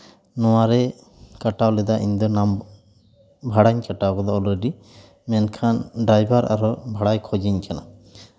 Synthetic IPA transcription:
nɔwaɾɛ | kaʈawlɛd̪aʔḭɲd̪ɔnam | bʱaɽaɲkaʈawkɔd̪ɔɔlɾɛɖi | mɛnkʰanɖɾajbaɾa̰ɾɔbʱaɽajkʰɔd͡ʒiɲkana

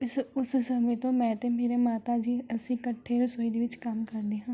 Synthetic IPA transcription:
ɪsʊssəmẽːt̪õːmɛ̃ːt̪eːmeːɾeːmaːt̪aːd͡ʒiːəsĩːkəʈʰːeːɾəsoːiːd̪eːʋɪt͡ʃkəmkəɾd̪eːɦãː

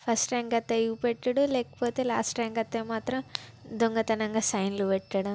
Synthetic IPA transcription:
pʰɐsʈɾaːŋɡɐt̪ːeɐjɡupeʈːɐɽuleːkɐ̥poːt̪eːlaːsʈɾaːŋɡɐt̪ːemaːt̪ɾɐmd̪oŋɡɐt̪ɐnɐŋɡɐsɐjnluʋeʈːɐɽɐm

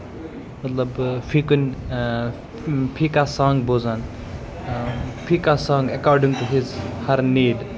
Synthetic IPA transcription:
mɐt̪lɐbfʰikunʲ | pʰikasãːŋɡbozan | pʰikasãŋɡɐkɔːɾɖĩŋʈuɦizhɐɾniːɖ

